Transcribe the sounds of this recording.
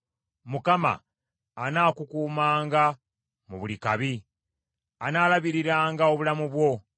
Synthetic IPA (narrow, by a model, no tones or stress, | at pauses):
mukama̰ː | naːkukuːmaːŋɡa | muβulikaβi | anaːlaβiɾiɾaːŋɡao̞βulamuβwo̞